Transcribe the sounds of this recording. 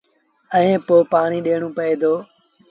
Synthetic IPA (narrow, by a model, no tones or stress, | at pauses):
əẽːpoːpaːɳ̃iːɗeːɳ̃õːpəeːd̪oː